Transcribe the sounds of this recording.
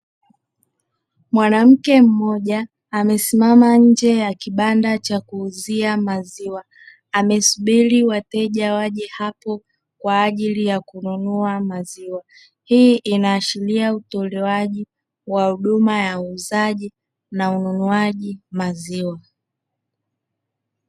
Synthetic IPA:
mwanam̩kɛm̩mɔʄaː | mɛsimamaɲ̩d͡ʒɛjakiɓandat͡ʃakuːziamaziwaː | mɛsuɓiɾiwatɛʄawaʄɛhapɔ | kwaːʄilijakununuamaziwa | hiʔinaːʃiliautɔlɛwaʄi | wahuɗumajauːzaʄi | naununuaʄimaziwa

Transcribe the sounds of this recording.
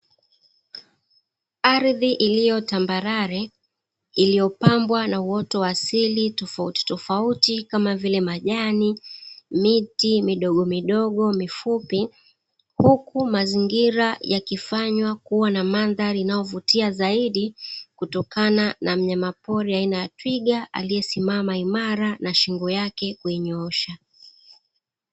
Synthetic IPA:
aɾðiʔilijɔtambaɾaɾɛ | ilijɔpambwanawɔtɔwasilitɔfauti̥tɔfautikamavilɛmaʄanimitimiɗɔɠɔmiɗɔɠɔmifupi | hukumaziŋɡiɾajakifaɲwakuwanamanðaɾiinajɔvutiazaiɗikutɔkananam̩ɲamapɔɾiainajatwiɠaʔa̰lijɛsimamaimaɾanaʃiŋɡɔjakɛkuiɲɔɔʃa

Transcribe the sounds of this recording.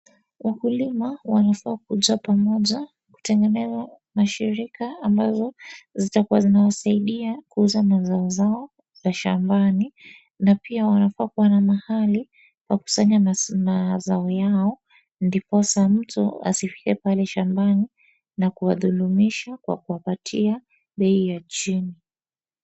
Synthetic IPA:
wakulimawanafaːk̚uʄapamɔʄa | ku̥tɛŋɡɛnɛza | maʃiɾikaːmbazɔzitakuwazinawasaiɗiakuuzanazaɔzaɔ | zaʃa̰mbani | napiawanafaːkuwanamahali | paku̥saɲanazaɔjaɔ | ndipɔsam̩tṵa̰sifi̥kɛpalɛʃambani | nakuwaðulumiʃakwa̰kuwapatʰia | ɓɛijat͡ʃini

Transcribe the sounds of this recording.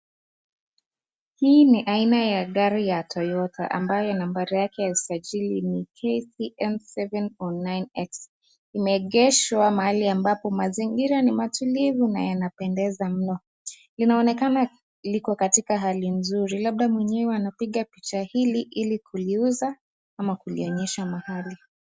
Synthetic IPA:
hiːniʔainajaɠaɾijatʰɔjɔta̰ʔa̰mbajɔnambaɾijakɛjaisaʄilinikʰɛsiʔɛnsɛvɛnɔnajnɛks | imɛɠɛʃwamahaliambapɔmaziŋɡiɾanimatulivuna̰janapɛndɛzam̩nɔ | linaɔnɛkana | likɔkatikaɦalinzuɾilaɓ̚ɗamwɛɲɛwɛwanapiɠapit͡ʃahiliʔilikʰuliuza | amakuliɔɲɛʃamahali

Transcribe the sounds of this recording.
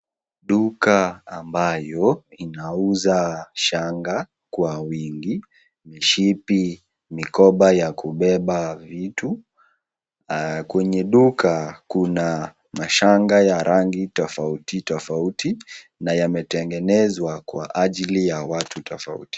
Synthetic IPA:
ɗukaːmbajɔinauzaʃaŋɡa | kwawiŋɡi | miʃipi | mikɔɓajakuɓɛɓavitu | kwɛɲɛɗukakuna | maʃaŋɡajaɾʔaŋɡitɔfautitɔfautʰi | najamɛtɛŋɡɛnɛzwakwa̰ʔaʄilijawatʰutʰɔfa̰ṵti̥

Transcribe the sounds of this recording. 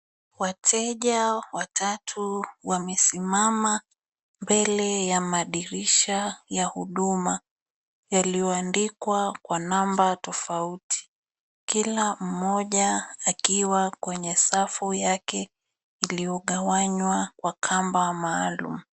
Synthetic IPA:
watʰɛʄawatʰatʰuwamɛsimama | mbɛlɛjamaɗiɾiʃajahuɗuma | jalijɔandikwakwanambatɔfautʰi̥ | kilam̩mɔʄaakiwakwɛɲɛsafujakɛ | ilijɔɠawaɲwakwakʰambamaːlṵm̩

